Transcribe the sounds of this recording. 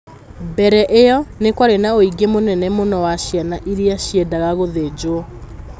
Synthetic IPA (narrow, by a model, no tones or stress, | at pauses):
bɛɾɛʔejɔnekwaɾenaoiɡemonɛnɛmonɔwaɕjanaʔiɾiaɕjiɛdaɣaɣoðed͡ʑoɔ